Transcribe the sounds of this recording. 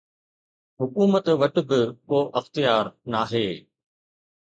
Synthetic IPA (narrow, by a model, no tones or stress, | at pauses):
ɦʊkuːmət̪ʋɐʈʊ̆bɪkoːʔɐxt̪ijaːɾnaːɦeː